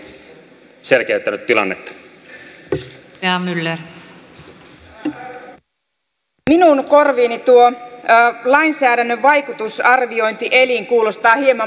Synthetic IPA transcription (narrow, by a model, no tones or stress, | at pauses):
selkeyt̪ːænyt̪t̪ːilɑ̰nːet̪ːɑ̥ | eɑmylːer | minuŋko̞rʋiːnit̪uo | lɑinsæːɾænːøʋːɑjkut̪usɑrʋio̞jnt̪iʔe̞liŋkuːlo̞st̪ɑːhiemɑ